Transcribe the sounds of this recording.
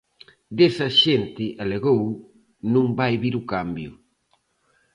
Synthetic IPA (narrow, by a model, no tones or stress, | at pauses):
d̪esɐʃent̪ɪʔaleɣow | nũŋbajβiɾʊkambjʊ